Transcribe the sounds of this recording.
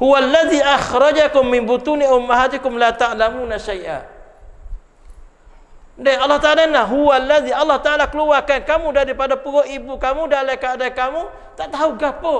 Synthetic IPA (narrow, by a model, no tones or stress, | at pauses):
huwalːaðiʔaxɾɑd͡ʒakʊmːɪnbut̪uniʊmːaɦaːt̪ɪkʊmlat̪aʔlamunaʃajʔa̰ | dɛɑlːɑht̪aʔaːlanaɦuwalːaðialːɑht̪aʔalakəluarkankamudaɾipadapuɡɔʔibukamudalakaːdakamu | t̪aʔt̪auɡapo